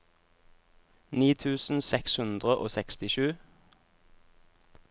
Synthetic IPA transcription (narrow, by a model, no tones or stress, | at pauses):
niːt̪ʰʉːsn̩sɛkshʉnd̪ʁəʔo̰ːsɛkst̪ɪʃʉː